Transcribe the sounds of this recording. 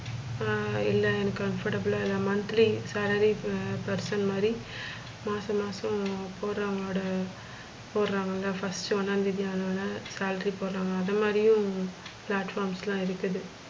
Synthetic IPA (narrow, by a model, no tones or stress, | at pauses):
ɪlːɐɛnɐkːɯkɐnfɐʈɐbɯlaːɪlːãːmɐnt̪ɾisaːlɐɾipɐɾsɐnmaːd̪ɾi | maːsɐ̃maːsɐ̃poːɾɾãːŋɡɐoːɽɐ | poːɾɾãːŋɡɐŋɡaːfɐsʈɐnaːnɪðɪjaːnɐːnasaːlɾipoːɾɾãːŋɡɐːðɐmaːd̪ɾɪjʊ̃plaːʈfaːɾmslãːɪɾɯkːɐðɯ